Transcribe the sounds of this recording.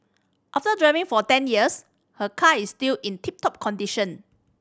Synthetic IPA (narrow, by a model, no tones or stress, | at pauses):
ʔaftədɹɛvĩŋfɔtɛ̃njiəs | həkʰaistilʔĩntʰip̚tɔp̚kʰɔ̃ndiʃə̃n